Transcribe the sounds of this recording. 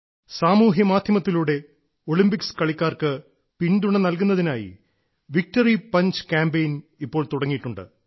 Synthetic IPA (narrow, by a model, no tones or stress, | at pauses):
saːmuːɦjɐmaːd̪ʱjɐmɐt̪ːiluːɽe̞ | o̞ɭimbikskɐɭikʲːaːrkɨ | piɳduɳɐnɐlkunːɐðinaːjḭ | ʋik̚tɐripɐɲd͡ʑɨ̥kaːmbejnipːo̞ːɭt̪uɽɐŋːijiʈːuɳɖɨ̰